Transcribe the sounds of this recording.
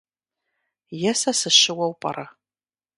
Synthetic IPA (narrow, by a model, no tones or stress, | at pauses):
jɛsɐsɨʃɪwɐwpʼɐ̰rʔɐ